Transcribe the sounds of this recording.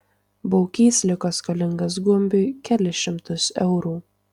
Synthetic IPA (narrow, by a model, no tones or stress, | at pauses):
bɔʊkʲiːsʲlʲɪkoːskɐlʲɪŋɡɐs̬ɡʊɔmʲbʲɪkʲælʲɪʃʲɪmt̪ʊsɛʊɾuː